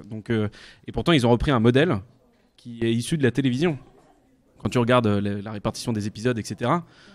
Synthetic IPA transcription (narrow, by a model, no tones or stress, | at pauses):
d̪ɔ̃køepuʁt̪ɑ̃ilzɔ̃ʁəpχiɛ̃mɔd̪ɛl | kʲʰiɛisyd̪əlat̪elevizjɔ̃ | kɑ̃t̪yʁəɡaʁd̪øləlaʁepaʁt̪i̥sjɔ̃d̪ezepizɔd̪ɛkset̪eʁa